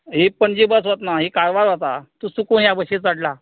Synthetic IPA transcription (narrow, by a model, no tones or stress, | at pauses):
ɦipəɳd͡ʑibəsʋət̪naɦikaɾʋaɾɦat̪a̰t̪uːsukuɳjabəɕet͡sʋaɽla